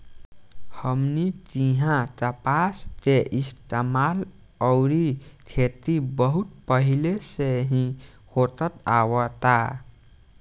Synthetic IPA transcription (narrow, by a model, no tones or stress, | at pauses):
həmnit͡ʃiɦãt̪əpast͡ʃeʔist̪emal | əwɾit̪ʰet̪ibəɦut̪̚pəɦileseɦĩ | hot̪ət̪awət̪a